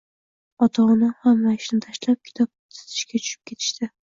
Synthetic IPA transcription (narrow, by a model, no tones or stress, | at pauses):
ɒt̪ʰanahamlaɪʃnɪt̪ʰaʃlap̚kʲʰɪ̥t̪ʰɒp̚t̪ʰɪ̥zɪ̥ʃkʲat͡ʃʰʊ̥ʃɪ̥p̚kʲʰe̞t̪ʰɪ̥ʃt̪ɪ